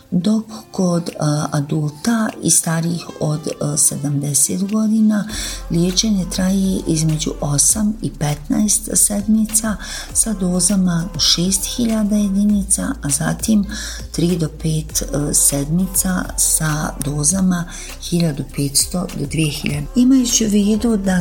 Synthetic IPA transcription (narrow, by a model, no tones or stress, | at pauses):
d̪okkod̪ad̪uːlt̪aḭst̪aːɾixod̪sed̪amd̪ɛset̪ɡod̪inaljeːt͡ʃeɲet̪ɾaːjeʔizmed͡ʒṵʔosamipet̪najst̪sɛd̪mit̪sa | sad̪oːzamaʃeːst̪xiʎad̪aje̞d̪iniːt̪sa̰ʔazat̪im | t̪ɾiːd̪opeːt̪sed̪mit̪sasad̪oːzama | xiʎad̪upeːt̪st̪o̞d̪od̪ʋijexiʎad̪eimajut͡ɕuʋiːd̪ud̪a